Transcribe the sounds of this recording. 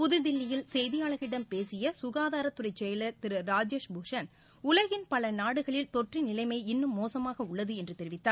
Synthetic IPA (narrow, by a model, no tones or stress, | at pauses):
pʊðɯd̪ɪlːɪjɪlsɛjðɪjaːɭɐɣɪɽɐmpeːsɪjɐsʊɣaːðaːɾɐt̪ːʊrɐɪt͡ʃːɛjɐlɐɾt̪ɪɾɯɾaːd͡ʒeːʂbʊʂɐn | ʊlɐɣɪnpɐlɐnaːɽɯɣɐɭɪlt̪ɔʈrinɪlɐɪmɐɪɪnːɯmːoːsɐmaːɣɐʊɭːɐðɯɛndrɯt̪ɛɾɪʋɪt̪ːaːɾ